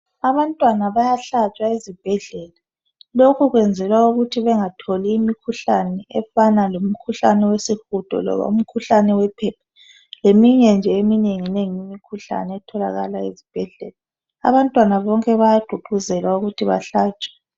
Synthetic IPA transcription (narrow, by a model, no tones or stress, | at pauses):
aβantʼwanaβajaɬat͡ʃʼwaezib̥ʱɛɮɛla | lokʰuɣwɛnd͡zʱɛlwauɣutʰiβɛŋatʰoliːmikʰuɬanɛɛfanalom̩kʰuɬanɛwesixud̥ʱɔ̰lɔ̰βa̰um̩kʰuɬanɛwɛpʰɛpʰḁ | lemiɲɛnd͡ʒʱɛemineŋineŋijimikʰuɬa̰nɛɛtʰɔla̰ɣa̰laḭzib̥ʱɛɮɛ̰la | a̰βantʼwanaβɔŋkʼɛβajaɡ͡ǃ̥ʱuɡ͡ǃʱuzɛlwauɣutʰiβa̰ɬaːt͡ʃʼḁ